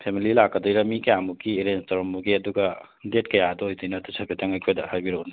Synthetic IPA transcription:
pʰemililakːɐdojɾɐmikɐjamukieɾenstoɾɔmːuɡeɐduɡɐ | det̚kɐjadɔjdɯjnɐtusʰɐpʰetʰɐŋajkʰojdɐ̰haɾbiɾoni

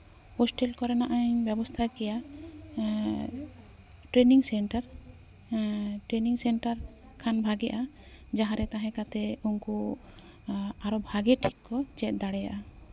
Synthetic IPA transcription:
hɔsʈɛlkɔɾɛnaʔaɲbɛbɔst̪ʰakɛja | ʈɾeniŋsɛɳʈaɾ | ʈɾeniŋsɛɳʈaɾ | kʰanbʱaɡɛʔa | d͡ʒaɦãɾɛt̪aɦɛ̃kat̪ɛunku | aɾɔbʱaɡɛʈʰikkːɔt͡ʃɛt̪̚d̪aɽɛja̰ʔa

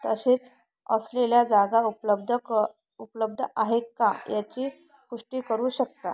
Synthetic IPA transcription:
t̪əɕet͡s | ə̰sleljad͡zaɡaupləb̚d̪ʱə | upləb̚d̪ʱəʔaɦekkːa̰jat͡ɕiː | kuʂʈiːkəɾuːɕəkt̪a̰

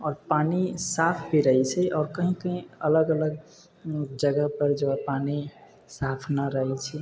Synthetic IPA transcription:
ɔːɾpanisapʰbʱiɾəɦɛt͡ʃʰɛʔɔːɾkəɦĩkəɦĩələɡələɡ | d͡ʒəɡəɦpəɾd͡ʒəwapani | sapʰnaɾəɦɛt͡ʃʰɛ

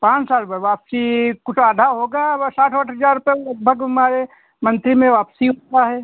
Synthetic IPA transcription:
pãːt͡ʃsaːlpəɾʋaːpsikʊt͡ʃʰaːd̪ʱaɦoːɡasaːʈʰəʈʰɦəd͡ʒaːɾʊpɛlɐɡ̚bʱəɡɦɐmaːɾe | mɐ̃nt̪ɾimẽʋaːpsiɦoːt̪aɦɛː

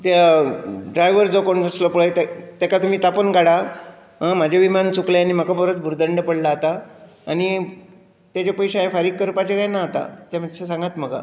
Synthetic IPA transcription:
t̪jaɖɾajʋəɾd͡zokoɳd͡zasləpuɭejt̪et̪akat̪um̤iːt̪apənɡaɽa | ɦãmad͡ʑʱaʋimant͡sukleanim̤akabəɾət̪bʱuɾd̪əɳɖəpəɽlat̪aː | ñi | t̪jat͡ɕapəjɕaẽfaɾiːk̚kəɾpat͡ɕekajnaɦt̪a̰t̪jam̤ad̪ɕesãŋɡat̪m̤əɡa̰

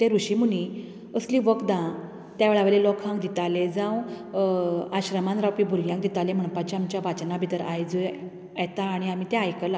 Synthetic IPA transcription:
t̪ẽɾuɕimuni | əsliːʋəkd̪ã | t̪jaʋeɭaʋeɾlelɔkʰãŋk̚d̪it̪alẽd͡zãw | aɕɾəmanɾawpibʱuɾjãŋk̚d̪it̪alem̤əɳ̃pat͡ɕiamt͡ɕjaʋat͡ɕnabʱit̪əɾajd͡zə | ɛt̪aːɽ̃iam̤iːt̪ẽajkəla

